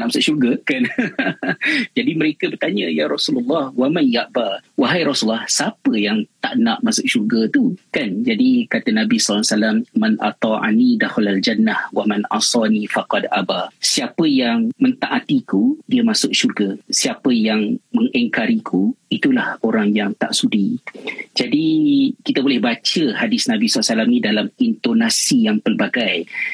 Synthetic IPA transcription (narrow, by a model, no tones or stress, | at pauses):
aʔmasʊʔʃurɡakan | d͡ʒadiməɾekəbərt̪aɲəjaɾɑsulalːɑhwamanjaʔbawaɦajɾɔsulːɑhsapəjaŋt̪aʔnaʔmasʊʔ̚ʃurɡat̪ukand͡ʒadikat̪anabisɔlːsalamːanʔa̰t̪ˤɑʔa̰nid̪axalald͡ʒanːahwamanʔa̰sɑnifaqɑd̪ʔa̰basiapəjaŋmə̃nt̪aʔat̪ikudiəmãsʊk̚ʃurɡasiapəjaŋməŋɛŋkaɾikʰuit̪ulahoɾaŋjaŋt̪a̰ʔsudid͡ʒadikit̪abolɛhbat͡ʃəhadɪsnabisɔlasalamnĩdalamint̪onasijaŋpəlbaɡaj